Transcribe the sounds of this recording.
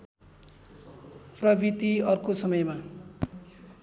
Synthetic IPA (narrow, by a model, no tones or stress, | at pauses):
prʌbit̪iʌrkosʌmʌjma